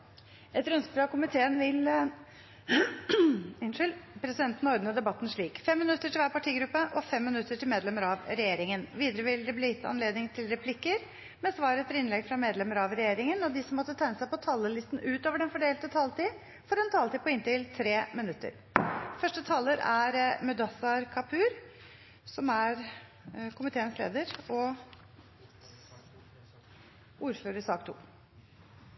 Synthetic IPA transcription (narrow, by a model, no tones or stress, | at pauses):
ɛt̪ɾʉnspɾɑkʊmɪt̪ʰeːənʋɪl | ɪnʂʏlpʰɾɛsɪd̪ɛnt̪nɔɾd̪nəd̪ɛbɑt̪ːnʂɭiːkfɛmːɪnʉt̪ːəʈʰɪlʋæːɾpɑʈʰiːɡɾʉpːəʔɔfɛmːɪnʉt̪ːəʈʰɪlmeːd̪lɛməɾɑʋɾɛjeːɾɪŋənʋiːd̪əɾəʋɪld̪ɛbliːjɪt̪ːəɑ̰nleːd̪nɪŋt̪ʰɪlɾɛpʰlɪkːəɾ | mɛsʋɑːɾət̪ʰəɾɪnlɛɡfɾɑmeːd̪lɛməɾɑʋɾɛjeːɾɪŋənɔd̪ɪsɔmːɔt̪ːət̪ʰæɪnəsæɪpɔt̪ʰɑlːəlɪst̪n̩ʉːt̪oːʋəɖɛnfɔɖeːlt̪ət̪ʰɑːlt̪iː | fɔɾɛnt̪ʰɑːlt̪iːpʰɔɪnt̪ɪlt̪ʰɾeːmɪnʉt̪ːə̰ɾ | fœʂʈət̪ʰɑlːəɾæɾmʉd̪ɑsɑɾkʰɑpʰʉːɾ | sɔmæɾ | kʰʊmɪt̪ʰeːənslḛːd̪əɾɔ | uːɾføːɾəsɑːkt̪ʰṵː